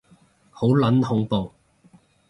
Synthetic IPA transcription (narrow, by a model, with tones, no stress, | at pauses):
ho˨˥wlɐ˨˥nhʊ˨˥ŋpo˨w